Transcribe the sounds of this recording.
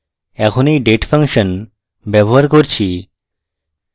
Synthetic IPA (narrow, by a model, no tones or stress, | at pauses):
ɛkʰonejɖeʈfʰaŋʃən | bɛboɦaɾkoɾt͡ɕʰi